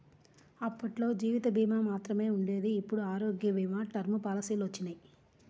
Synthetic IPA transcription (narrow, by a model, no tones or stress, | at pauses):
ɐpːɐʈlo̞ːd͡ʒiːʋit̪ɐbiːmaːmaːt̪ɾɐme̞ːuɳɖe̞ːd̪iːpːuɽuaːɾo̞ːɡjɐbiːmaːʈɐɾmupaːlɐsiːlʋɐt͡ʃːinaj